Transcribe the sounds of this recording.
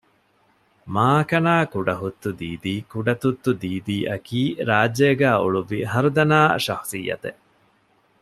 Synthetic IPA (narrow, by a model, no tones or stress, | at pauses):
maːkɐnaːkuɖɐɦut̪ːud̪iːd̪iːkuɖɐt̪ut̪ːud̪iːd̪iːʔɐkiːɾaːd͡ʒːeɡæːuɭuʋiɦɐɾud̪ɐnaːʃɐxsijːɐ̰t̪e